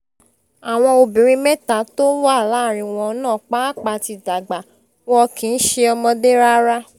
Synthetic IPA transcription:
a˨w̃ɔ̃˧o˧bĩ˨ɾ̃ĩ˦mɛ˦ta˨to˦wa˦˨la˨˦˨ɾ̃ĩ˧w̃ɔ̃˧˦nãː˦˨k͡pa˦k͡pa˧ti˧˨da˨ɡ͡ba˨ | wɔ˧kĩ˨˦n̩˦ʃe˧ɔ˧mɔ̃˧de˦ɾa˦ɾa˦

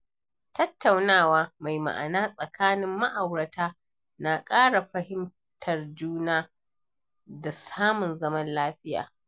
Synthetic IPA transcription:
tɐ˦tːa˨wnaː˦˨waː˦ma˨jma̰˨ʔa̰˨naː˦sʼɐ˨kaː˦nɪ˦mːa˦ʔa˨wɽɐ˨tʰaː˦ | na˨kʼaː˦ɽa˨ɸɐ˦hɪ˦m | tʰɐ˨rd͡ʒuː˦naː˦ | da˨saː˦mʊ˨nzɐ˦mɐ˦nlaː˦ɸɪ˦ja̰ː˨

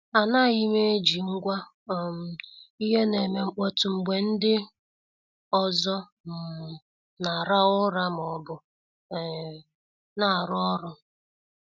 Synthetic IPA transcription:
a˨na˦˨ɣi˦me˦e˦d͡ʒi˨ŋ̩˦ɡʷa˦˨ | m̩˨i˦ɦe˦ne˨me˨ŋ͡m̩˦k͡pɔ˦tʊ˨ŋ͡m̩˨ɡ͡be˨n̩˦dɪ˦ | ɔ˨zɔ˦˨ | na˨ɾa˦ʊ˦ɾa˦m˨ɔ˨bʊ˨ | na˨ɾʊ˦ɔ˦ɾʊ˦

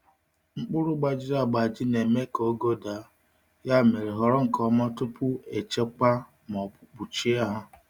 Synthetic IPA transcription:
ŋ͡m̩˦k͡pʊ˦ɾʊ˦ɡ͡ba˦d͡ʒi˦da˦˨ɡ͡ba˨d͡ʒɪ˦ne˨me˦ko˦ɡo˦da˨˦ | ja˦me˨ɾe˨ɦɔ˨ɾɔ˦ŋ̩˨kɔ˨mɔ˦tʊ˦pʊ˦e˨t͡ʃe˦k͡pa˦ | mɔ˨k͡pu˨t͡ʃi˦a˦ɦa˦

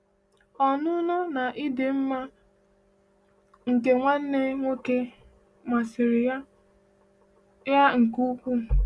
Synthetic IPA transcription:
ɔ˨nʊ˦nɔ˦na˨ʔi˦de˨m̩˦ma˦ | ŋ̩˨ke˨ŋʷa˦n̩˦ne˦ŋʷo˦ke˦ | ma˨sɪ˨ɾɪ˨a˦ | ja˦ŋ̩˨ku˦kʷu˦

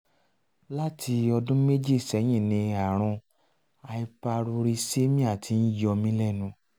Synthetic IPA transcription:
la˦tʰi˧ɔ˧dũ˦me˦d͡ʒi˦˨sɛ˨˦j̃ĩ˦˨nĩ˧a˨ɾ̃ɔ̃˧ | a˧i˧pa˧ɾu˧ɾi˧se˦mĩ˦a˦˨tʰi˧n̩˦jɔ˧mĩ˦lɛ˦˨nũ˧˦

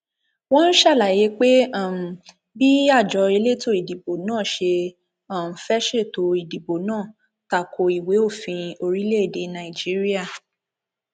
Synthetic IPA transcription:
w̃ɔ̃˦n̩˦ʃa˦˨la˨je˨˦k͡pe˦a˦˨ | bi˦a˦˨d͡ʒɔ˨˦e˧le˦to˦i˨di˨bo˨nãː˦˨ʃe˧ | ã˨m̩˨fɛ˦ʃe˦˨to˨˦i˨di˨bo˨nãː˦˨ | ta˨kʰo˨i˨we˨˦o˦˨fĩ˧o˧ɾi˦le˦e˦˨de˨˦nã˨i˨d͡ʒi˦ɾi˦a˦˨

